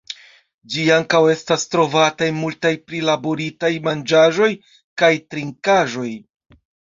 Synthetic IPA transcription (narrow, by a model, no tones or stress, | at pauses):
d͡ʒiaŋkawe̞stastɾo̞vatajmultajpɾilabo̞ɾitajmand͡ʒaʒo̞j | kajtɾiŋkaʒo̞j